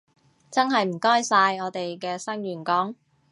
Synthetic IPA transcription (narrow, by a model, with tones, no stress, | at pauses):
t͡sɐ˥nɦɐ˨jm̩˨˩kɔː˥jsaː˧jɔː˨˧t̪e˨jkɛː˧sɐ˥ŋjyː˨˩nkɔː˨˥ŋ